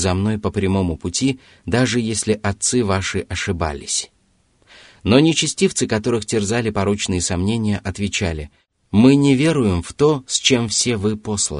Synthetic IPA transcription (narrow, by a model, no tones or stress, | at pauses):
zɐmn̪o̞jpəpɾʲɪmo̞mʊpʊtʲi | d̪aʐɨjesʲlʲɪʔɐt̪sɨvaʂɨʔɐʂɨba̰lʲɪsʲ | no̞nʲɪt͡ɕɪsʲtʲift̪sɨkɐt̪o̞ɾɨxtʲɪrzalʲɪpɐɾo̞t͡ɕnɨjəsɐmnʲenʲɪjəʔɐt̪vʲɪt͡ɕalʲɪ | mɨnʲɪvʲe̞ɾʊjɪmft̪o̞sʲt͡ɕe̞mfsʲe̞vɨpo̞slˠə̰